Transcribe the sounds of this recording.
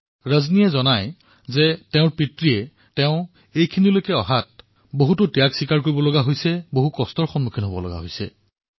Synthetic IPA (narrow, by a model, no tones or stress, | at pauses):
ɹaznijɛzɔnaj | zɛtɛʊ̃ɹpɹitɹiɛ | tɛʊ̃ | ejkʰinilojkɛɔɦat̚ | boɦutʊtijaɡsikaɹkoɹibɔlɔɡaɦojsɛboɦukɔstɔɹxɔnmukʰinɦobɔ̰lɔ̰ɡa̰ɦojsɛ̰